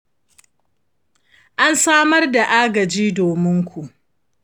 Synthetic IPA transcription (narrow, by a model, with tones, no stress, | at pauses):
ʔa˦nsaː˦mɐ˦rda˨ʔaː˦ɡɐ˨d͡ʒiː˦doː˨mɪ˦ŋkʷu˨ʔ